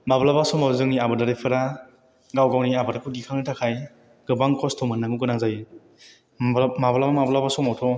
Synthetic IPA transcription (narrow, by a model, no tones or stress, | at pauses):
mablabasɔmazɯŋniabɯdaɾijpʰɯɾa | ɡawɡawniabaɾakʰuɡikʰaŋnitʰakʰaj | ɡɯbaŋkɔstʰɔmɯnːaŋuɡɯnaŋzaj | mablabamablabasɔmawtʰɔ